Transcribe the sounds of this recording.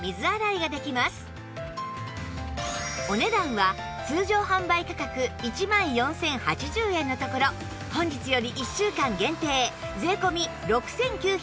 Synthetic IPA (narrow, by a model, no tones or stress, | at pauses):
mʲizɨaɾaiɡad̪e̞kʲimasɨ̥ | o̞ne̞d̪ãɰ̃βat͡sɨːʑo̞ːhãmbaikakakɯ̟it͡ɕimãɰ̃jõ̞sẽ̞ɰ̃hat͡ɕiʑɨːẽ̞nːo̞t̪o̞ko̞ɾo | hõ̞ɲ̟d͡ʑit͡sɨjo̞ɾʲiʔiɕːɨːkãŋɡẽ̞nt̪e̞ːd͡ze̞ːko̞mʲiɾo̞kɯ̟̥sẽ̞ŋkʲɨː